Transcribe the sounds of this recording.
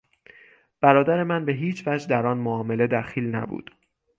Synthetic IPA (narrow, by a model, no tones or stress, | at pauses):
b̥æɾɒːd̪æɾe̞mænbe̞ɦiːt͡ʃʰvæd͡ʒd̪æɾɒːnmoɒːme̞le̞d̪æxiːlnæ̰bṵːd̪̥